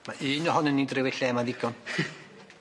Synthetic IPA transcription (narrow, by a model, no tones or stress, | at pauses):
maʔɨːnɔhɔnənːindrɪwɪɬɛmaðɪɡɔn